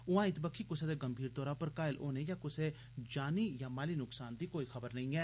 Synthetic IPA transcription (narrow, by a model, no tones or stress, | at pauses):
ʊãːɪt̪bəkʰːiːkʊseːd̪eːɡəmbʱiːɾt̪ɔːɾaːpəɾkaːɪlʔoːneːjãːkʊseː | d͡ʒaːniːjãːmaːliːnʊksaːnd̪iːkoːiːxəbəɾnəĩːɛː